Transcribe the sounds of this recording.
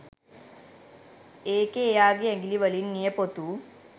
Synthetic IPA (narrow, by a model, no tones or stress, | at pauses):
eːkeːjaːɡiɐŋɡiliʋɐlinːijɐpot̪u